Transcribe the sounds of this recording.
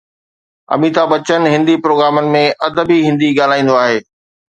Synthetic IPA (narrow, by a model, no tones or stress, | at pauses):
ɐ̰miːt̪abɐt͡ɕənɦɪ̃nd̪ipɾoːɡɾaːmənɪ̆mẽʔɐd̪əbiɦɪ̃nd̪iɡaːl̤aːĩːn̆d̪oaːɦeː